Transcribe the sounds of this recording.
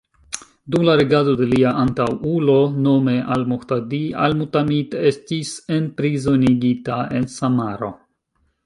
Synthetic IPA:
dumlaɾeɡado̞de̞liaʔantawulo̞nome̞ʔalmoxt̪ad̪ia̰lmutamit̪estisenpɾizo̞niɡitae̞nsamaɾo̞̰

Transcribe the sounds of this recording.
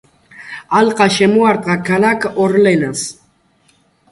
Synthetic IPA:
alqʼaʃemuaɾt̪ʼʁakalakoɾlenas

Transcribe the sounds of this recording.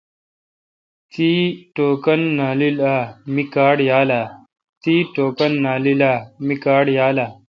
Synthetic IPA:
t̪iːʈoːkɐnːaːlilaːmikaːɽjaːlaː | t̪iːʈoːkɐnːaːlilaːmikaːɽjaːlaː

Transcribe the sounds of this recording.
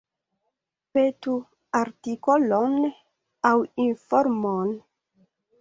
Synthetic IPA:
pet̪u | aɾt̪ikolɔn | awinfɔɾmon

